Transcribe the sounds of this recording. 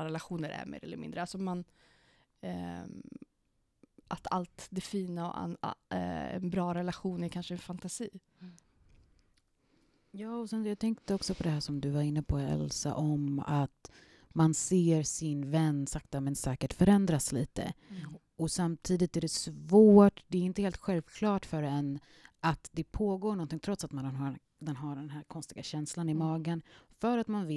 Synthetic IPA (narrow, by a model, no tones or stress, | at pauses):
ɾɛlaɧuːnəɾæ̰ɾmḛːɾʔɛ̰lːəɾmɪ̰nd̪ɾəalsɔɔman | ʔat̪ʰalt̪d̪ɛfiːnaɔ̰ | ɛ̰nbɾɑːɾɛlaɧuːnæɾkʰanʂəɛnfant̪asiː | jɑːɔsɛnjat̪ʰɛŋkt̪əɔksɔpʰɔd̪ɛɦæːʂɔmd̪ɵvaɾɪnːəpʰɔɛ̰lsa̰ʔɔma̰t̪ | manseːɾsɪnvɛnːsakt̪amɛnsɛːkəʈfœɾɛnd̪ɾasliːt̪ə̰ | ɔsamt̪ʰiːd̪ɪt̪æɖɛsvoːʈd̪ɛːɾɪnt̪əheːlt̪ɧɛlvkʰlɑːʈfœɾɛnː | ʔat̪d̪ɛpʰoːɡoːɳɔnt̪ɪŋt̪ʰɾɔt̪sat̪manɦa | d̪ɛnɦaɖɛnɦæːɾkʰɔnst̪ɪɡaɕɛnslanɪmɑːɡənfœɾat̪manvɪ